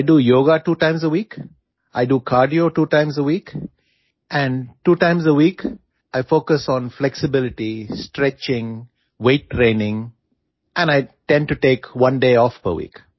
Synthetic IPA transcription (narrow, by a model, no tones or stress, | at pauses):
aɪɖuːjoːɡaʈuːʈãɪ̃mzəwiːk | ʔaɪɖukʰaːɾɖioʈuːʈãɪ̃mzəwiːk | ʔæ̃ɳɖʈuːʈãɪ̃mzəʋiːk | ʔaɪfoːkəsɔ̃ːnflɛksɪbɪlɪʈisʈɾɛt͡ʃɪ̃ŋ | weːʈːɾẽːnɪ̃ŋ | ʔɛ̃naɪʈɛ̃ɳɖ̚ʈuʈeːkʋʌ̃nɖeːɔːfpə̰ɾʋḭːk